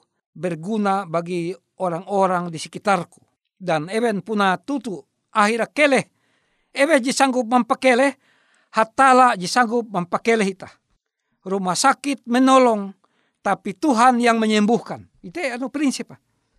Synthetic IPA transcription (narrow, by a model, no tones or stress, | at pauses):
bɛrɡunabaɡi | ɔɾaŋɔɾaŋdisɛkit̪arku̥ | danɛwɛnpunat̪ut̪u | ʔaɦiɾakɛlɛh | ɛwɛd͡ʒisaŋɡup̚mampakɛlɛh | hat̪alad͡ʒisaŋɡup̚mampakɛlɛɦit̪a | rumahsakit̪̚mɛnɔlɔŋ | t̪apit̪uɦanjaŋmɛɲɛmbuhkan | it̪ɛanupɾinsipa